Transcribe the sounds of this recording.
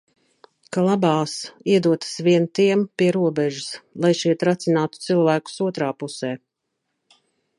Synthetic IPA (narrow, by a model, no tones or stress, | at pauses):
kalˠabɑːsiɛd̪uɔt̪ḁsviɛnt̪iɛmpiɛɾuɔbɛʒuslˠajʃiɛt̪ɾat̪sinaːt̪u̥t̪silˠvæːku̥suɔt̪ɾaːpusɛː